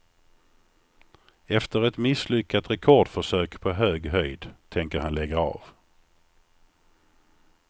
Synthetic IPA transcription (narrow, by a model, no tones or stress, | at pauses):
ɛft̪əɾɛt̪mɪslʏkːat̪ɾɛkʰɔɖfœʂøːkpʰɔɦøːɡɦœjd̪t̪ʰɛŋkəɾhanlɛɡaɑ̰ːv